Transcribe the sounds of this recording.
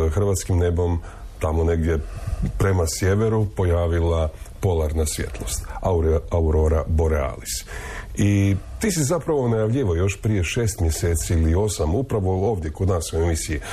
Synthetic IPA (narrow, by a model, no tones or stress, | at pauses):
xr̩ʋaːt̪skimne̞bo̞m | t̪amo̞ne̞ɡd̪je̞pɾemasje̞ʋe̞ɾupo̞jaːʋilapo̞laɾnasʋje̞̰t̪ʰlˠo̞st̪aauɾo̞ɾabo̞ɾea̰ːlisit̪iːsizapɾaʋo̞najaʋʎiʋojo̞ʃpɾije̞ʃe̞ːst̪mje̞seːt̪siilio̞samupɾaʋo̞o̞ːʋd̪je̞ko̞d̪naːsoemisiji